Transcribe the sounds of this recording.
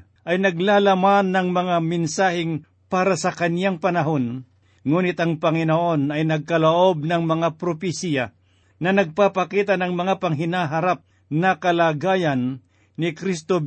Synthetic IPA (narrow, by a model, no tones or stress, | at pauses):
ʔɐjnɐɡ̚laːlɐmanːɐŋmɐŋamɪnsaːhɪŋ | paːɾɐsɐkɐnjaŋpɐnɐɦo̞n | ŋuːnɪt̪ɐŋpɐŋɪnoʔo̞nɐjnɐɡ̚kɐloʔo̞b̚nɐŋmɐŋapɾopɪsija | nɐnɐɡ̚papɐkiːt̪ɐnɐŋmɐŋapɐŋɦɪnaːɦɐɾap̚ | nɐkɐlaːɡaːjɐnː | ɪkɾist̪o